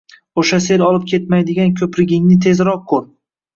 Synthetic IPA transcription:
oʃas̬e̞lɒlˠɪp̚kʲʰe̞t̪majd̪ɪɡʲankʲʰɵpɾɪɡʲɪŋnɪt̪ʰe̞zɾɒq̚ʰːoɾ

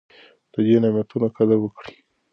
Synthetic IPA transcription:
d̪̥əd̪enamjat̪unakad̪awəkɽi̥

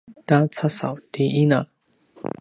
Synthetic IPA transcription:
t̪at͡sʰasa̰wt̪iina

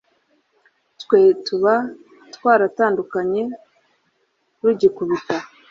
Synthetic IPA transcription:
tkwe̞tuβa | twaːɾataːndukaɲe̞ | wiɟekuβita

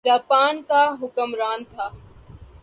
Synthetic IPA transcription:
d͡ʒaːpaːnkaːɦʊkəmɾaːnt̪ʰaː

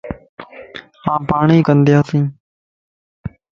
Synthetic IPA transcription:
hãːpaːɳiːkənd̪ɪjaːsĩː

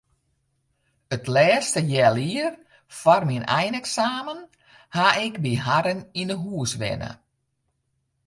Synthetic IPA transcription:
ətlɛːstəjɛːliər | farminɛjnɛksaːmən | haɪkbiɦaɾəninəɦuəsʋɛ̰nə̰

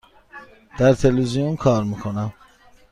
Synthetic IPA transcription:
d̪̥æɾt̪ʰelvizijonkʰɒːɾmiːkʰonæm

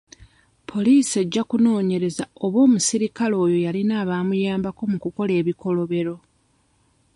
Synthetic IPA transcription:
pʰo̞liːse̞ɟːakuno̞ːɲe̞ɾe̞zao̞βwo̞ːmusiɾikalo̞ːjo̞jalinaːβaːmujaːmbako̞mukuko̞le̞ːβiko̞lo̞βe̞ɾo̞

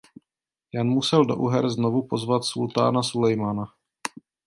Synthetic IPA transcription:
janmusɛldo̞ʔuɦɛɾznovupo̞zvat̪sult̪a̰ːnasulɛjmana

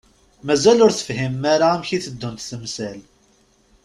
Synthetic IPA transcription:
mæzælʊɾθə̥fhimːaɾamçiθəd̪ːunt̪θəmsæl

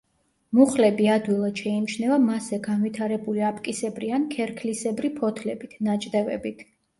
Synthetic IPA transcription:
muχlɛbiad̪wilˠad̪̥ʃɛimt͡ʃʰnɛvamasɛɡanvit̪ʰaɾɛbuliapʼkʼisɛbɾiankʰɛɾkʰlisɛbɾipʰɔt̪ʰlɛbit̪ʰnat͡ʃʼd̪ɛvɛ̰bit̪ʰ

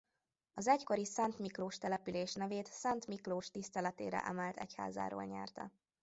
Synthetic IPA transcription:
ɒzɛcko̞ɾisɛnt̪mikloːʃt̪ɛlɛpyleːʃnɛveːt̪sɛnt̪mikloːʃt̪ist̪ɛlɛt̪ḛːɾɛ̰ʔɛmɛlt̪ɛ̰cha̰ːza̰ːɾo̰ːlɲɛ̰rt̪ɛ̰

